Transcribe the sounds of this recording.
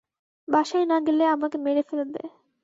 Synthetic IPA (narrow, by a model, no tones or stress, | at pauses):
bʱaʃaenaɡeleamakemeɽefelod̪ḛ